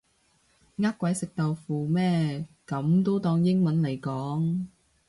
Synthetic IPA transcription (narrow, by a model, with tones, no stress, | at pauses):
ŋaː˥kʷːwɐ˨˥jsɪ˨k̚t̪ɐ˨wfuː˨mɛː˥kɐ˨˥mt̪o˥wt̪ɔː˧ŋjɪ˥ŋmɐ˨˥nle˨˩jkɔː˨˥ŋ